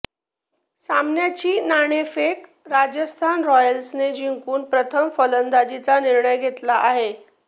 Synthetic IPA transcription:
samnjat͡ɕiːnaɽ̃efek | ɾad͡ʑəst̪ʰanɾɔjəlsned͡ʑiŋkuːnpɾət̪ʰəmfələnd̪ad͡ʑit͡saniɾɳəjɡʱet̪laʔaɦe

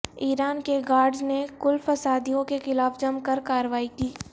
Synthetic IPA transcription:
iːɾaːnkeɡaːɾɖznekʊlfɐsaːd̪ijõkexɪlaːfd͡ʒɐmkɐɾkaːɾəʋaːikiː

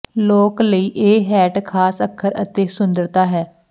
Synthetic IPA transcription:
loːkləiːʔeːɦɛːʈkʰaːsəkʰːəɾə̰t̪eːsʊnd̪əɾt̪aːɦɛː

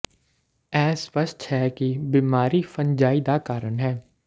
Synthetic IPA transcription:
ɛːspəst̪hɛkibiːmaːɾifəɲd͡ʒaːid̪aːkaːɾənɦɛː

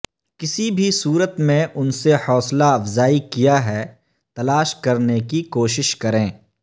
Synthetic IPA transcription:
kɪsibʱisuːɾət̪mẽʔʊnsehɔːslaɐfzaːikijaɦɛː | t̪ɐlaːʃkɐɾnekikoːʃɪʃkɐɾẽː

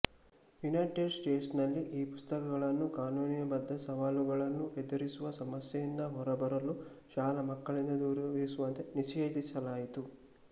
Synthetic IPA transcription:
junɐjʈeɖsʈeːʈsnɐlːiʔiːpust̪ɐkɐɡɐɭɐnːukaːnuːnijɐbɐd̪ːɐsɐʋaːluɡɐɭɐnːuʔed̪ɐɾisuʋɐsɐmɐsjɐjind̪ɐɦɔɾɐbɐɾɐlu | ʃaːlɐmɐkːɐɭind̪ɐd̪uːɾʋisuʋɐnt̪e̞niʃeːd̪isɐlaːjit̪u

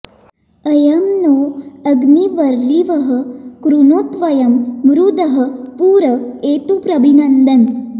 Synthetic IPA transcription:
əjɐmnoːɐɡniʋɐɾliʋɐɦə̆kɾunoːt̪ʋɐjɐmːɾud̪ɐɦə̆puːɾɐeːt̪upɾɐbinɐnd̪ɐn

